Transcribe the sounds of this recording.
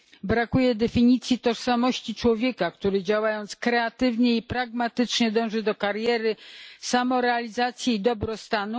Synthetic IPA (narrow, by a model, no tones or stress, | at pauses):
bɾakujɛd̪ɛfʲiɲit̪sʲjit̪ɔʂsamɔɕt͡ɕit͡ʂwɔvʲjɛkakt̪uɾɘd͡ʑawajɔnt̪skɾɛat̪ɘvɲɛipɾaɡmat̪ɘt͡ʂɲɛd̪ɔ̃w̃ʐɘd̪ɔkaɾjɛɾɘsamɔɾɛalʲizat̪sʲjɛid̪ɔbɾɔst̪anu